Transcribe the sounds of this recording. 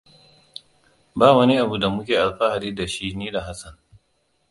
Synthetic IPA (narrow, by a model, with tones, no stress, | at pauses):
baː˦˨wɐ˦ni˦ʔa˨bu˨da˨mʊ˦kʲeː˨ʔa˨lɸa˦ha˨diː˦da˨ʃi˦niː˦da˨ɦa˦sɐ˨n